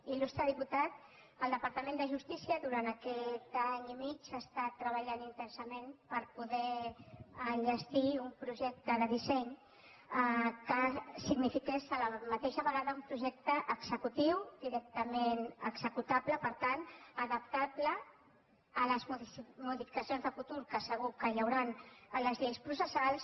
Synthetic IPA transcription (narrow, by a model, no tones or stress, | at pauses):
ilust̪ɾəðiput̪at̪̚ | əlˠd̪əpaɾt̪əmẽnd̪əʒust̪isiəðuɾant̪əkɛt̪aɲimit͡ʃast̪at̪ːɾəβəʎanint̪ɛnsəmẽnpəɾpuðɛ | əʒəst̪iumpɾuʒɛk̚t̪əðəðisɛɲ | kəsiɡnifikɛsələmət̪eʃəβəɣaðəumpɾuʒɛk̚t̪əʔəɡz̥əkut̪iwd̪iɾɛk̚t̪əmenəɡz̥əkut̪apləpəɾt̪anəðəp̚t̪apləː | ləzmmuðifi̥kəsionzðəfut̪uɾkəsəɣ̞ukəʎəwɾanləzʎejspɾusəsalˠs